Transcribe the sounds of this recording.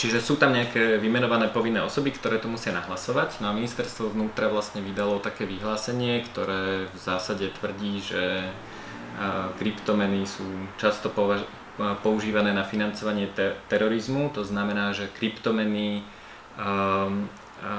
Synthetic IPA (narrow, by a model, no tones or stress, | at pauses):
t͡ʃiʒɛsuːt̪amɲɛakɛːʋimɛnɔʋanɛːpɔʋinːɛːɔsɔbikt̪ɔɾɛːt̪ɔmusɪanaɦlasɔʋaɟnɔaminist̪ɛɾst̪ʋɔʋnuːt̪ɾaʋlasɲɛʋid̪alɔt̪akɛːʋiɦlaːsɛɲɪɛkt̪ɔɾɛːvzaːsaɟɛt̪ʋr̩ɟiːʒɛ | kɾipt̪ɔmɛnisuːt͡ʃast̪ɔpɔa | pɔuʒiːʋanɛːnafinant͡sɔʋaɲɪɛt̪ɛɾɔɾizmut̪ɔznamɛnaːʒɛkɾipt̪ɔmɛni